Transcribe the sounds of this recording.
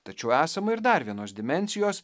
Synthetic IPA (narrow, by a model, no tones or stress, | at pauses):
t̪ɐt͡ʃʲɛʊæːsɐmɐɪɾd̪ɐɾʋʲiɛnoːsd̪ʲɪmʲɛnʲsʲɪjoːs